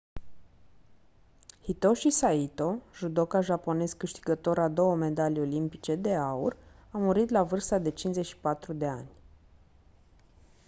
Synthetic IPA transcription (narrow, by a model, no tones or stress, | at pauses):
hit̪o̞ʃisait̪o̞ʒud̪o̞kaʒapo̞ne̞skɨʃt̪i̥ɡət̪o̞ɾad̪o̞wəme̞d̪alʲo̞limpit͡ʃe̞d̪e̞aṵrawmuɾit̪lavɨrst̪ad̪e̞t͡ʃinzet͡ʃʲʃi̥pat̪ɾud̪e̞a̰nʲ